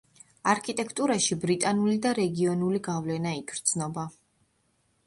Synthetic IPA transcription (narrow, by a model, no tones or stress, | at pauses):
aɾkʰit̪ʼɛkʰt̪ʼuɾaʃibɾit̪ʼanulid̪aɾɛɡiɔnuliɡavlɛnaiɡʰɾd̪z̥nɔba